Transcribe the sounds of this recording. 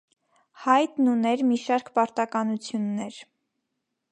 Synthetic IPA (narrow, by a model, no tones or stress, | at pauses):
hɑjt̪nunɛɾmiʃɑɾkpɑɾt̪ɑkɑnut͡sʰjunːɛɾ